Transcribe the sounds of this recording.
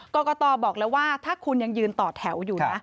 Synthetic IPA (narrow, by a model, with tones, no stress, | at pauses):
kɔː˧kɔː˧t̪ɔː˧bɔː˨˩k̚lɛː˦˥waː˥˩t̪ʰaː˥˩kʰu˧nja˧ŋjɯː˧nt̪ɔː˨˩t̪ʰɛ˩˦wjuː˨˩˦na˦˥